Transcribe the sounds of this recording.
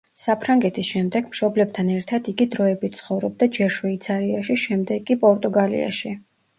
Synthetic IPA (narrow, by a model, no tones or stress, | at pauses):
sapʰɾaŋɡɛt̪ʰisʃɛmd̪ɛɡ̥mʃɔblɛbt̪ʰanɛɾt̪ʰad̪iɡid̪ɾɔɛbit̪̚t̪sʰχɔvɾɔb̚d̪ad͡ʒɛɾʃwɛit̪sʰaɾiaʃiʃɛmd̪ɛɡʼipʼɔɾt̪ʼuɡalḭa̰ʃi